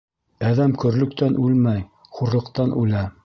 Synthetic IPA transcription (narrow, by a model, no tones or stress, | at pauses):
æðæmkɵ̆ɾlɵ̆kt̪ænʔʉlmæj | χuɾlˠɤ̆qt̪ɑnʔʉlæ